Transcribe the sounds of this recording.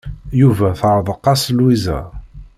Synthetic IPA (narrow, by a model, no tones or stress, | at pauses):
juvæθɾˤðˤəqːɑslwizæ̰